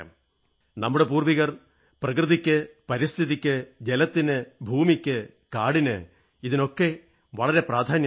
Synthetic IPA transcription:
a̰m | nɐmːuɽe̞puːrʋiɣɐr | prɐkrɨðikʲːɨpɐɾist̪ʰiðikʲːɨd͡ʑelɐt̪ːinɨbʱuːmikʲːɨ | kaːɽinɨ̰ | iðino̞kːe̞ | ʋɐɭɐɾe̞praːd̪ʱaːnjɐ

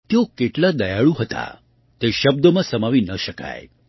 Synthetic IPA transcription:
t̪eokeʈlad̪əjaɭũɦət̪a̰ | t̪eʃəb̚d̪əmãsəmaʋinəʃəka̰j

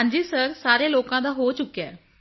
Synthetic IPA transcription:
ãɲd͡ʒiːsəɾsaːɾeːloːkãːd̪aːɦoːt͡ʃʊkːijaːɛː

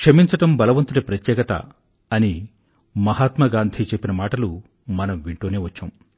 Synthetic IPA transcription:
kʂɐmiɲt͡ʃɐʈɐmbɐlɐʋɐnt̪uɽɐpɾɐt̪jɛːkɐt̪ɐ̰ | ɐni | mɐɦaːt̪mɐɡaːnd̪ʱit͡ʃepːinɐmaːʈɐlu | mɐnɐmʋiɳʈoːneːʋɐt͡ʃːaːm

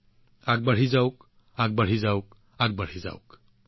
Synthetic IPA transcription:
aɡ̚bəɽ̤izawk | aɡ̚bəɽ̤izawk | aɡ̚bəɽ̤iza̰wk

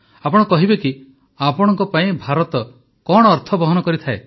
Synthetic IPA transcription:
apɔɽ̃ɔkɔɦibeki | apɔɽ̃ɔ̃ŋkɔpaĩbʱaɾɔt̪ɔ | kɔɽ̃ɔːɾt̪ʰɔbɔɦɔnɔkɔɾit̪ʰae

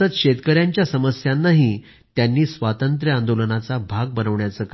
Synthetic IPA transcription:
ət̪ɕet̪kəɾjaɲt͡ɕjasəməsjanːaɦi | t̪janːiːsʋat̪ənt̪ɾjəand̪olənat͡sabʱaɡ̚bənəʋɳjat͡səːk

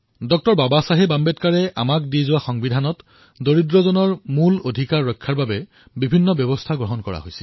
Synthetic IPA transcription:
dɔk̚tɔɹbabasaɦebambɛtkaɹɛʔa̰mak̚dizʊwaxɔŋbidʱanɔt | doɹidɹɔzɔnɔɹmulodʱikaɹːɔjkʰːaɹbabɛ | bibʱinːɔbjɔbɔstʰaɡɹɔɦɔnkɔɹa̰ɦojsɛl

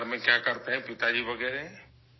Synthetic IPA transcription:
ɾmẽkjakəɾt̪eɦɛ̃pɪt̪ad͡ʒiʋəɡɛːɾeɦɛ̃

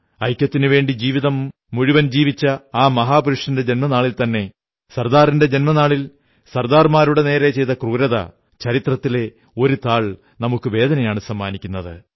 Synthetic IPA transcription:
ɐjkʲːɐt̪ːinɨʋe̞ːɳɖid͡ʑiːʋiðɐmː | uɻuʋɐnd͡ʑiːʋit͡ɕːɐaːmɐɦaːpuɾuʂɐnde̞d͡ʑe̞nmɐnaːɭilt̪ɐnːe̞ | sɐrd̪aːɾinde̞d͡ʑe̞nmɐnaːɭil | sɐrd̪aːrmaːɾuɽe̞ne̞ːɾet͡ɕejt̪ɐkruːɾɐðɐ̰ | t͡ɕɐɾit̪rɐt̪ːile̞ | o̞ɾut̪aːɭ | nɐmukːɨʋe̞ːd̪ɐnɐjaːɳɨsɐmːaːnikʲːunːɐðɨ

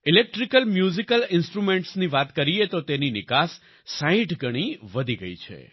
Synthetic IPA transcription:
ɪlek̚ʈɾikəlmjuzikəlɪnsʈɾumẽɳʈsniʋat̪kəɾiet̪ot̪eninɪkasː | ãĩʈɡʱəɽ̃iʋəd̪ʱiɡə̰it͡ʃʰḛ

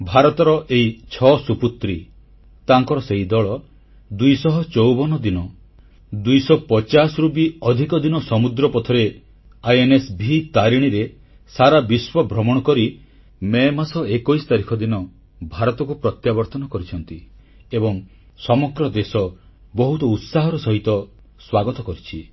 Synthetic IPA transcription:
bʱaɾɔt̪ɔɾɔʔeit͡ʃʰɔsuput̪ɾi | t̪aŋkɔɾɔseid̪ɔɭɔ | d̪ujsɔɦɔt͡ʃɔwbɔnɔd̪inɔ | d̪ujsɔpɔt͡ʃasɔɾubiɔd̪ʱikɔd̪inɔsɔmud̪ɾɔpɔt̪ʰɔɾe | ajenesbʱit̪aɾiɽ̃iɾe | saɾabiswɔbʱɾɔmɔɽ̃ɔkɔɾi | memasɔekojst̪aɾikʰɔd̪inɔ | bʱaɾɔt̪ɔkupɾɔt̪jabɔɾt̪ɔnɔkɔɾit͡ʃʰɔnt̪i | ebɔŋ | sɔmɔɡɾɔd̪esɔ | bɔɦut̪ɔut̪saɦɔɾɔsɔɦit̪ɔ | swaɡɔt̪ɔkɔɾit͡ʃʰi

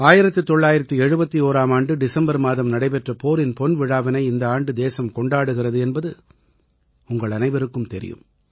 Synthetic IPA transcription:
aːjɪɾɐt̪ːɯt̪ːɔɭːaːjɪɾɐt̪ːiɛɻɯbɐt̪ːioːɾaːmaːɳɖɯɖɪsɐmbɐɾmaːðɐmnɐɽɐɪpɛʈrɐpoːɾɪnpɔnʋɪɻaːʋɐnɐɪɪnd̪ɐaːɳɖɯd̪eːsɐmkɔɳɖaːɽɯɣɪrɐðɯɛnbɐðɯ | ʊŋɡɐɭɐnɐɪʋɐɾɯkːɯmt̪ɛɾɪ̰jɯ̰m

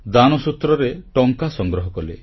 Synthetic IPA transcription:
d̪anɔsut̪ːɾɔɾeʈɔŋkasɔŋɡɾɔɦɔkɔle

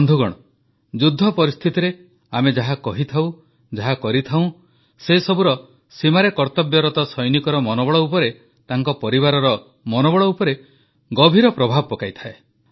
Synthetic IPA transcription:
nd̪ʱuɡɔɽ̃ɔ | d͡ʒud̪ʱːɔpɔɾist̪ʰit̪iɾe | amed͡ʒaɦakɔɦit̪ʰaw̃ | d͡ʒaɦakɔɾit̪ʰaw̃ | sesɔbuɾɔ | simaɾekɔɾt̪ɔbjɔɾɔt̪ɔsɔjnikɔɾɔmɔnɔbɔɭɔupɔɾe | t̪aŋkɔpɔɾiβaɾɔɾɔ | mɔnɔbɔɭɔupɔɾe | ɡɔbʱiɾɔpɾɔbʱabɔpɔkajt̪ʰae

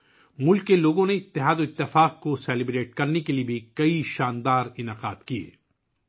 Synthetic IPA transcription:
mʊlkːeloːɡõneɪt̪ːɪɦaːd̪oɪt̪ːɪfaːq̚kosɛːlɪbɾeːʈ̚kɐɾnekeliebʱikɐiʃaːnd̪aːɾɪnaːqa̰ːd̪kiḛː

